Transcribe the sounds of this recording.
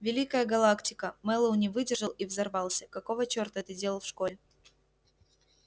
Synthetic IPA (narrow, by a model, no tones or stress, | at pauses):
vʲɪlʲikəjəɡɐlˠaktʲɪkəmɛlˠəʊnʲɪvɨdʲɪrʐəlˠivzɐrvɑlˠsʲəkɐko̞vət͡ɕort̪ət̪ɨdʲeəlˠfʂko̞lʲɪ